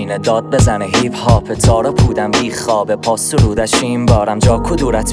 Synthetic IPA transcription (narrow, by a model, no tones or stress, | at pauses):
iːned̪ɒːd̪̚bezæneɦiːfhɒːpʰet̪ʰɒːɾopʰuːd̪æmbiːχɒːbepʰɒːsuɾuːd̪æʃiːmbɒːɾæmd͡ʒɒːkʰʊd̪uːɾæt̪ʰ